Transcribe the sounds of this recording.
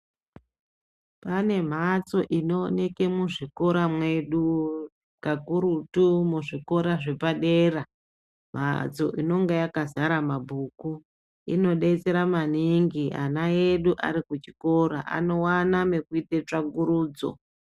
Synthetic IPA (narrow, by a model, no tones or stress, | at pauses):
pane̞m̤at͡so̞ʔino̞ne̞ke̞muʐiko̞ɾamweɗu | kakuɾutumuʐiko̞ɾaʐe̞paɗeːra | m̤a̰t͡so̞̰ʔino̞ŋɡejakazaɾamabʱuːku | ḭno̞ɗeit͡se̞ɾamaniŋɡia̰najeɗuʔa̰ɾikut͡ʃi̥ko̞ɾa̰ʔa̰no̞waname̞kuitet͡ʂaɡuɾuːd͡zo̞̰